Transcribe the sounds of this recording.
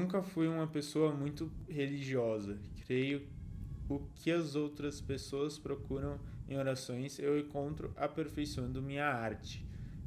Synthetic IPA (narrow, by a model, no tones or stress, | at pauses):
ũŋkɐfujũmɐpesoɐmũj̃t̪ʊheliʒiɔzɐkɾejʊ | ʊkʰɪɐzowt̪ɾɐspesoɐspɾokuɾɐ̃w̃ḛ̃j̃oɾasõj̃sewẽŋkõnt̪ɾʊʔapeɾfejsɐ̃w̃d̪ʊmĩɲɐaɾt͡ʃɪ̥